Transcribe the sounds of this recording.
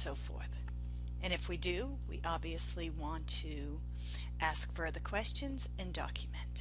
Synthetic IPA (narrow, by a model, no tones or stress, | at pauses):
soʊfɔ̰ɹθ | ɨ̃nɨfwidɨ | wḭʔɑbviɨsliwɑ̃ntʰɨ | ʔæskfɜ˞ðə˞kʰw̥ɛst͡ʃɨ̃nz̥ | ɨ̃ndɑ̰kʰjɨmɨ̃nt